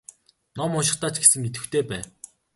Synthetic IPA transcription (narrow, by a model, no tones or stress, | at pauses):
nɔmʊʃ̬ɪ̆χt̪aːt͡ɕɡe̥sɘ̆ŋːet̪ɘ̆wt̪ʰeːpæː